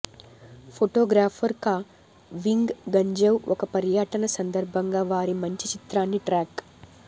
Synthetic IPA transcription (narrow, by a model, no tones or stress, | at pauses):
pʰoʈoːɡɾaːpʰɐɾkaː | ʋiŋɡɡɐɲd͡ʒɐwɔkɐpɐɾjaʈɐnɐsɐnd̪ɐɾbʱɐŋɡaːʋaːɾimɐɲt͡ʃit͡ʃit̪ɾaːnːiʈɾaːk